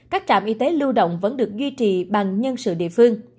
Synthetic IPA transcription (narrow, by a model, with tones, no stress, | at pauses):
kaː˦˥k̚t͡ɕa̰ː˧˨mʔi˧t̪e˨˦lu˧wɗo̰˧˨wŋ͡mvə̰˧˥nɗɨ˨˩ək̚zwi˧t͡ɕḭ˧˨ɓa˨˩ŋɲə˧nsɨ̰˧˨ɗḭ˧˨əfɨ˧əŋ